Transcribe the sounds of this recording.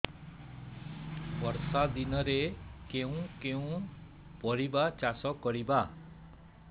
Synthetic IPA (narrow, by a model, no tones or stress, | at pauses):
pɔɾsad̪inɔɾekeũkeũ | pɔɽibat͡ʃasɔkɔɾiba